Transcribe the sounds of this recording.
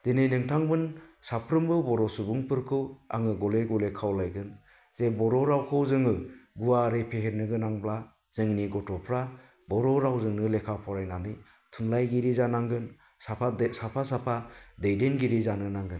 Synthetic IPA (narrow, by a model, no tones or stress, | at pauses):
d̥enejnɯŋtʰaŋbɯnsapʰɾɯmbɯbɔɾɔsubuŋpʰɯɾkʰɯwa̰ŋɯɡɔleɡɔlekʰawlajɡɯn | z̥ebɔɾɔɾawkʰɯwzɯŋɯɡuaɾepʰeheɾnɯɡɯnaŋbla | z̥ɯŋniɡɔtʰɔpʰɾa | bɔɾɔɾawzɯŋnɯlekʰapʰɔɾajnanɯ | tʰunlajɡiɾizanaŋɡɯn | saasapʰasapʰadejdenɡiɾizanɯnaŋɡɯn